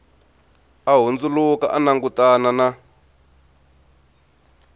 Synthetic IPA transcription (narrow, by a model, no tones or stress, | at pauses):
aɦund͡zuluka̰ʔanaŋɡutanana